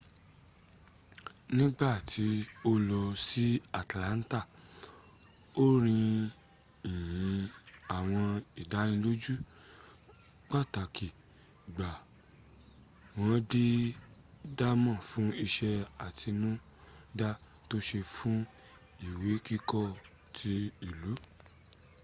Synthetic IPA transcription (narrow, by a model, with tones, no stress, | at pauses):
nĩ˦ɡ͡ba˦˨tʰi˧o˦lɔ˧si˦a˨tlã˨˦n̩˦ta˦˨ | o˦ɾ̃ĩ˧ | i˨jjĩ˨˦ | a˨w̃ɔ̃˧i˨da˨˦ɾ̃ĩ˧˦lo˦d͡ʒu˦ | k͡pa˦˨ta˨ki˨ | ɡ͡ba˨ | w̃ɔ̃˨˦di˦ | da˦mã˦˨fũ˨˦i˧ʃɛ˧a˨tʰi˧nũ˦ | da˦ | to˦ʃe˧fũ˦ | i˦˨we˨˦ki˦kɔ˦˨ | tʰi˧i˨lu˨˦